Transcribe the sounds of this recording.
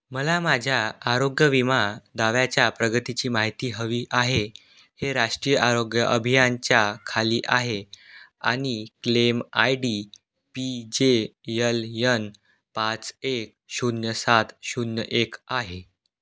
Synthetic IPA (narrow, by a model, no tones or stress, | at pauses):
məlamad͡ʑʱjaːɾoɡjəʋimad̪aʋjat͡ɕjapɾəɡət̪it͡ɕiːmaɦit̪iːɦəʋiːʔaɦe | heɾaʂʈɾijəʔaɾoɡjəʔəbʱijant͡ɕjakʰaliːʔaɦea̰ɽ̃iklemajɖi | pid͡ʑejəljən | pat͡sek̚ɕunjəsat̪ɕunjəʔekaɦe